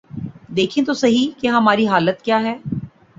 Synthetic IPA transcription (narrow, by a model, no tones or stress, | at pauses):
d̪eːkʰẽt̪̬osɐɦikeɦɐmaːɾiɦaːlət̪kjaːɦɛː